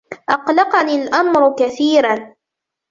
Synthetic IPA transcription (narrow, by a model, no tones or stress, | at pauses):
ʔɑqlɑqɑniːlʔamɾʊkaθiːɾan